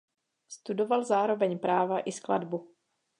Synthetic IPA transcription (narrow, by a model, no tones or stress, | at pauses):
st̪udo̞valzaːɾo̞vɛɲpɾaːvaʔɪskla̰dbu